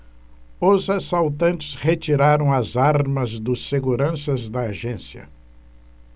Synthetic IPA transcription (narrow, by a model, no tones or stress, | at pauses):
ʊzasawt̪ɐ̃nt͡ʃɪ̥shet͡ʃiɾaɾɐ̃w̃ɐzaɾmɐzd̪ʊsːeɡuɾɐ̃sɐzd̪ɐːʒẽsjɐ̰